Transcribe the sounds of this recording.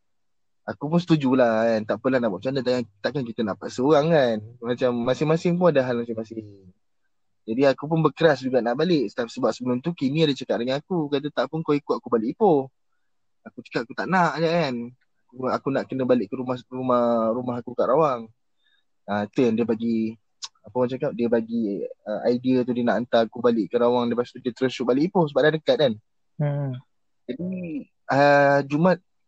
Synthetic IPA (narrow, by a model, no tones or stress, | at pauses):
akup̬ʊnsə̥t̪ud͡ʒulahant̪aʔpunlahnaʔbaʔt͡ʃanət̪aʔkat̪aʔkank̬it̪ənaʔpaʔsəoɣaŋanmat͡ʃamːasɪŋmasɪŋpuadaɦalmasɪŋmasɪŋ | d͡ʒadiakup̬ʊnbəkəɾasd͡ʒuɡaʔnaʔbalɪʔsə̥t̪ap̚səbap̚səbəlʊmt̪ukinĩadat͡ʃəkaʔ̪̚dəŋanakukat̪̬ət̪aʔpʊnkawikʊʔakubalɪʔipo | akut͡ʃə̥kat̪akut̪aʔnaʔakan | akuakunaʔkənə̃balɪʔkəɾumahrumahɾumaɦakukaʔɾawaŋ | əit̪ujaŋdiəbaɡi | apəmat͡ʃakaʔ̚diəbaɡiəʔaidiət̪udiənaʔant̪akubalɪʔkəɾawaŋdipast̪udiət̪əɾʊsʃuʔ̚balɪʔipohsəbaʔdadəkat̪̚an̩ | d͡ʒadi | əd͡ʒumat̪̚